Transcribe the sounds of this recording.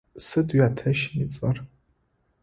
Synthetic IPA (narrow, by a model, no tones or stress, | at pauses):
sɨdɥatʰɐʃmit͡sʼar